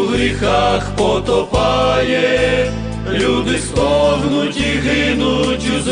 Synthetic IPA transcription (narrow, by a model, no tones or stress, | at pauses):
ɦɾʲixaxpɔt̪ɔpɑjɛ | lʲud̪ɪst̪ɔɦnutʲiɦɪnutʲuz